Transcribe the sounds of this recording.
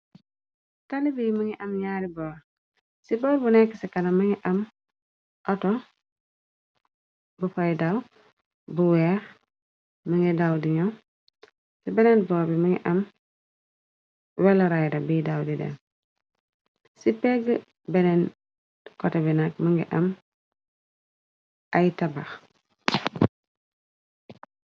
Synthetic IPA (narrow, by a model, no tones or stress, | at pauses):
tanibimɐŋiʔɐmɲaːɾibɔːɾ | sibɔɾbunɛkːəsikɐnɐmɐŋiʔɐm | ʔɐtɔ | bufɐjdaw | buwɛːɾ | mɐŋɡidawdiɲɔ | sibɛnɛnbɔːbimɐŋɡɛ̰ʔɐm | wɛlɐɾajdɐbidawdidɛ̰n | sipɛɡ | bɛnɛn | kɔtɛbinak̚mɐŋɡiʔɐm | ʔɐjtɐbax